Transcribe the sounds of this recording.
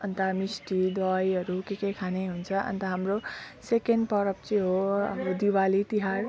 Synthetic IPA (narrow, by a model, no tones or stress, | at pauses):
ʌnt̪amisʈid̪ʌjʌɾukekekʰaneɦunt͡sʰʌʔʌ̰nt̪ʌɦamɾosekenɖpʌɾʌp̚t͡siĩɦoʌbd̪iwalit̪iɦaɾ